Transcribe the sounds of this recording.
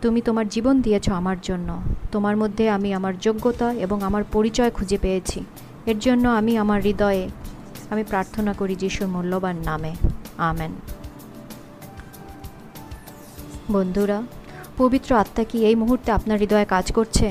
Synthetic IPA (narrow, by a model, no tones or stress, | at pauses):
t̪umit̪omaɾd͡ʑibond̪ijet͡ɕʰoamaɾd͡ʑonːot̪omaɾmod̪ʱːeamiamaɾd͡ʑoɡːot̪aeboŋamaɾpoɾit͡ɕɔekʰud͡ʑepejet͡ɕʰi | eɾd͡ʑonːoamiamaɾːid̪ɔee | amipɾaɾt̪ʰonakoɾid͡ʑiʃuɾmulːobanːameamen | bond̪ʱuɾapobit̪ːɾoat̪ːakiejmuɦuɾt̪eapnaɾːid̪ɔekad͡ʑkoɾt͡ɕʰe